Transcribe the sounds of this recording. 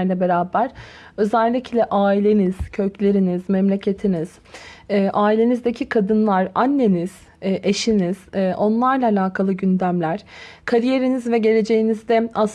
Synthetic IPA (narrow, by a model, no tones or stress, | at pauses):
ɾlʲɛbeɾaːbæɾ̥ø̞zælʲːicʰlʲɛʔaːilʲe̞niz̥cʰøcʰlʲe̞ɾiniz̥mɛmlʲe̞cʰe̞t̪ʰiniz̥ː | ʔaːilʲe̞nizd̪ecʰikʰad̪ɯnlˠaɾanːeniz̥ | ʔeʃiniz̥ʔo̞nlˠaɾlˠaːlʲaːkʰalˠɯɟynd̪æmlʲæɾ̥kʰaɾije̞ɾinizvɛɟe̞lʲe̞d͡ʒe̞jinizd̪ɛas